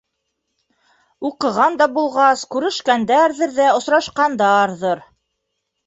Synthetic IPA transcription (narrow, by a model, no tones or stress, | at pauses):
uqɤ̆ʁɑnd̪ɑbulˠʁɑskʉɾɘ̆ʃkænd̪æɾðɘɾðæŏsɾɑʃqɑnd̪ɑɾðɤɾ